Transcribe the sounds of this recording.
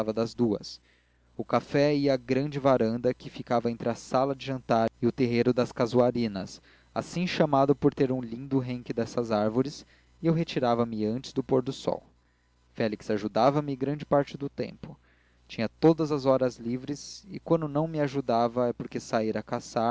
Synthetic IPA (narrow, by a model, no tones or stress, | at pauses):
avɐd̪ɐzd̪uɐ̰s | ʊkafɛiɐaɡɾɐ̃d͡ʒɪvaɾɐ̃nd̪ɐkɪfikavɐẽnt̪ɾɪɐsalɐd͡ʒɪʒɐ̃nt̪aɾɪʊt̪eɦeɾʊd̪ɐskazuaɾĩnɐs | a̰sĩʃamad̪ʊpoɾt̪eɾũlĩd̪ʊɦẽŋkɪd̪ɛsɐzaɾvoɾɪs | ɪewɦet͡ʃiɾavɐmɪɐ̃nt͡ʃɪ̥zd̪ʊpoɾd̪ʊsɔ̰w | fɛliksaʒud̪avɐmɪɡɾɐ̃d͡ʒɪpaɾt͡ʃɪd̪ʊt̪ḛ̃mpʊ | t͡ʃĩɲɐt̪od̪ɐzɐzɔɾɐzlivɾɪsɪkwɐ̃nd̪ʊnɐ̃w̃mɪaʒud̪avɐɛpoɾkesaiɾɐkasa